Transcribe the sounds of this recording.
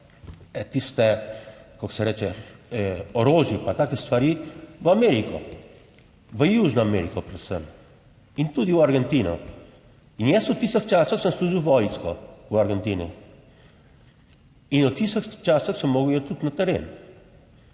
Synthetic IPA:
ɛt̪ist̪ɛkɔksɛɾɛːt͡ʃɛ | ɔɾoːʒjipat̪aːkɛst̪ʋaɾiʋəamɛːɾikɔ̰ | ʋəjuʒnɔamɛɾikɔpɾɛd̪səm | int̪ud̪iwaɾɡɛnt̪iːnɔ̰ | injɛsut̪ist̪əxt͡ʃaːsəxsəmsluːʒiwʋɔjnskɔwaɾɡɛnt̪iːni | inɔt̪ist̪əxt͡ʃaːsəxsəmːoːɡəwjɛt̪ut̪nat̪ɛɾḛːn

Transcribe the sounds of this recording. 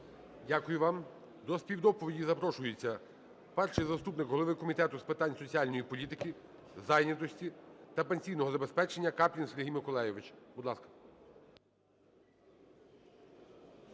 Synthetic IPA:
dʲakʊjʊʋɑm | d̪ɔspʲiwd̪ɔpɔʋʲidʲizɐpɾɔʃʊjet͡sʲːɐ | pɛrʃɪjzɐst̪upnɪkɦɔlˠɔʋɪkɔmʲit̪ɛt̪ʊspɪt̪ɑnʲsɔt͡sʲiɑlʲnɔjipɔlʲit̪ɪkʲi | zɑjnʲɐt̪ɔsʲtʲit̪ɐpenʲsʲijnɔɦɔzɐbespɛt͡ʃenʲːɐkɑpʲlʲinsʲeɾʲɦijmɪkɔlˠɛjɪʋɪt͡ʃbʊd̪lˠɑskɐ̥

